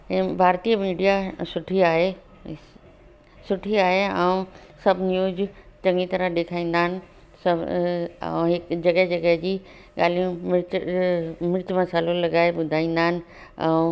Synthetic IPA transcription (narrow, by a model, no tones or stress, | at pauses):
bʱaːɾt̪iːəmiːɖijasʊʈʰiaːɦe | sʊʈʰiaːɦeɛ̃ũsɐbʱnjuːzt͡ɕɐ̃ŋɡit̪ɐɾəɗ̪eːkʰaːĩːnd̪aːnɪ̆ | sɐ | ɛ̰̃ɦɪkd͡ʑɐɡəɦd͡ʑɐɡəɦd͡ʑiː | ɠaːl̤ijũmɪɾt͡ɕ | mɪɽt͡ɕmɐsaːlolɐɡaːeɓʊd̪ʱaːĩːnd̪aːnɪ̆ | ɛ̰̃